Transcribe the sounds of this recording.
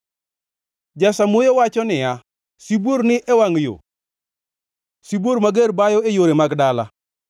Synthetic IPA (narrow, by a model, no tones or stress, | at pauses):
d͡ʒasamojowat͡ʃɔnɪja | siboɾnɪʔɛwaŋjo̰ | sibwoɾmaɡeɾbajɔejoɾemaɡdala̰